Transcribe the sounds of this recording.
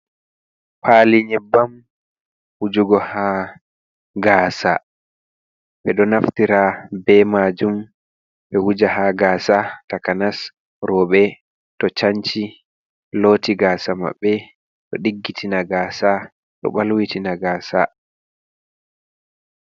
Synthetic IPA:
pʰaliɲɛbːam | hud͡ʒuɡɔha | ɡaːsa | ɓɛɗɔnaftiɾabɛmaːd͡ʒum | ɓɛhud͡ʒaɦaɡaːsatakanas | ɾɔɓɛ | tɔt͡ʃaɲt͡ʃi | loːtiɡaːsama̰ɓːɛ | ɗɔɗiɡːitʰinaɡaːsa | ɗɔ̰ɓalwitinaɡaːsa̰

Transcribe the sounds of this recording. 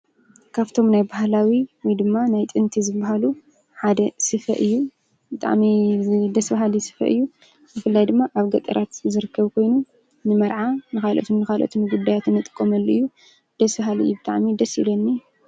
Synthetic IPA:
kʰaβt̪ʰo̞mnajbahlawiwɔjd̪ɨmːanajt̪ʼɨnt̪ʰizɨbːaɦalu | ħad̪ɐsɨfɐʔɨjːu | bɨt̪ʼa̰ʕmid̪ɐsbaɦalisɨ̥fɐ̰ʔɨjːu | zɨfɨlːajd̪ɨmːaʔaβɡɐt̪ʼɐɾʔat̪zɨɾɨkʰːɐβkʰo̞jnu | nɨmɐɾʕanɨxalʔo̰t̪ʰunːɨkalʔo̰t̪ʰunɡud̪ːajat̪ɨnːɨt̪ʼɨ̥kʼːomɐlːoʔɨjːu | d̪̥ɐsbaɦalɨ̰jːubɨt̪ʼaʕmid̪ɐsilonːi

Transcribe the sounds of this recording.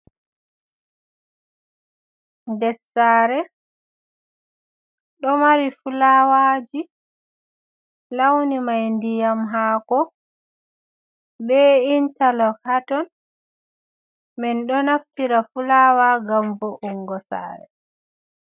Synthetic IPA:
ndɛsːaːɾɛ | ɗɔmaɾifulawaːd͡ʒi | lawnimajndijamɦaːkɔ | bɛintalɔkatɔn | mɛnɗɔnaftiɾafulaːwaɡambɔʔuŋɡɔsa̰ːɾɛ̰

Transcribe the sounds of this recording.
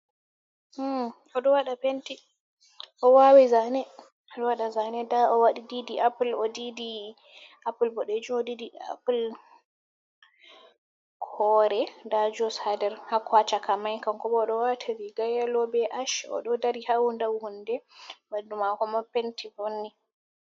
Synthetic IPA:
ʔɔɗɔwaɗapenti | ʔɔwawizanɛ | ɔɗɔwaɗazanɛdaʔɔwaɗididiʔaplɔdidi | ʔapulbɔɗed͡ʒumɔdidia̰pl | kʰɔɾɛdad͡ʒɔshadɛɾhakwat͡ʃakamajkaŋkɔbɔɗɔwatʰaɾiɡajalɔbɛʔaʃɔ̰ɗɔdaɾihawundawhundɛbandumakɔmapentibonːi

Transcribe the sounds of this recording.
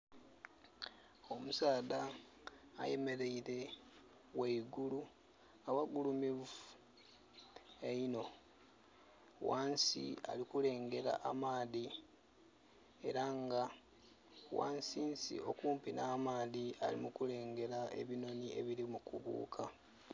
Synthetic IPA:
o̞musaːda̰ː | je̞me̞ɾe̞iɾe̞ | weiɡulu | awaɡulumiv | eino̞ | waːnsḭa̰likule̞ːŋɡe̞ɾa̰ʔamaːði | e̞ɾaŋɡa | wa̰ːnsiːnsḭo̞kuːmpinaːmaːðia̰lḭmukule̞ːŋɡe̞ɾae̞̰βino̞nie̞βiɾimukṵβṵːkʰa

